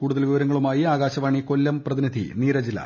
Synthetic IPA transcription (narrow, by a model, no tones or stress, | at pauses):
kuːɽuðɐlʋiʋɐɾɐŋːɐɭumaːjiaːɡaːɕɐʋaːɳiko̞lːɐmprɐðinid̪ʱḭniːɾɐd͡ʑilːɐ̰